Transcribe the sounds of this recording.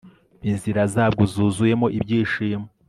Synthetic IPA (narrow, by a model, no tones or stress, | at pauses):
inziɾazaːbɡozuːzuje̞mo̞ʔibɟiːʃijeme